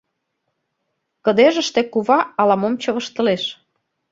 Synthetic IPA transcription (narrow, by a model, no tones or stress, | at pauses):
kə̆d̪eʒə̆ʃt̪ĕkuβɑɑlɑmomt͡ɕɤ̆βə̆ʃt̪ə̆leʃ